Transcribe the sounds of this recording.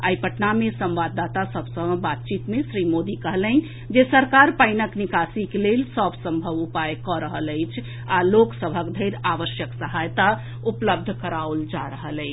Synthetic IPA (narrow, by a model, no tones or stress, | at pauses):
ajpəʈnamesə̃mbad̪ːat̪asəbʱsə̃bat̪̚t͡ʃit̪mesɾimod̪ikəɦlɛn | d͡ʒesəɾkaɾpəɪnəknikasikelelsəbsə̃mbʱəʋupajkɔɾəɦələjt͡ʃʰ | aloksəbʱəkd̪ʱəjɾaʋəsjəksəɦajt̪a | upləb̚d̪ʱkəɾauld͡ʒaɾəɦələɪt͡ʃʰ